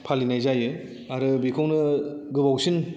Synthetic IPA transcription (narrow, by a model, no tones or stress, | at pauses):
pʰalinajzajɯ | aɾɯbikʰɯwnɯɡɯbawsin